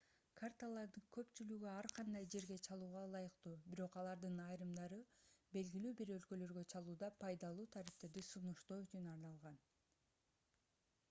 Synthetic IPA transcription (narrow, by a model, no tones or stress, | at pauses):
kʰart̪alˠɑɾd̪ɯŋkʰø̞pt͡ʃylyɡyɑɾqʰɑnd̪ɑjd͡ʒe̞ɾɡe̞t͡ʃʰɑlˠuːʁɑlˠɑjɯqt̪uːbiɾo̞qɑlˠɑɾd̪ɯnɑjɾɯmd̪ɑɾɯbe̞lɡilyːbiɾø̞lkø̞lø̞ɾɡøt͡ʃʰɑlˠuːd̪ɑpʰɑjd̪ɑlˠuːt̪ʰaɾift̪e̞ɾd̪isunuʃt̪oːyt͡ʃynɑɾnɑlˠʁɑn